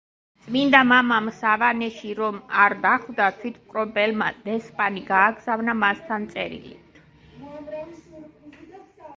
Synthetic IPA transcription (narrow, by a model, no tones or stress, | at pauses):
t̪sʼmind̪amamamsavanɛʃiɾɔmaɾd̪aχvd̪at̪ʰwit̪ʰkʼɾɔbɛlmad̪̥ɛspʼaniɡaːɡzavnamast̪ʰant̪sʼɛɾḭlḭt̪ʰ